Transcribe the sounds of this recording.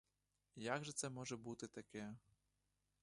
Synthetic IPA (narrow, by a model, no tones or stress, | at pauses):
jaɡʐɛt̪sɛmɔʐɛbut̪ɪt̪akʲɛ